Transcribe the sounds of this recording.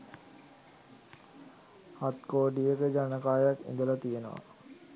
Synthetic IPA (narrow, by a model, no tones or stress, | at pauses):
hat̪koːɖijəkəd͡ʒanəkaːjakḛŋɡələt̪ijenə̰ʋa̰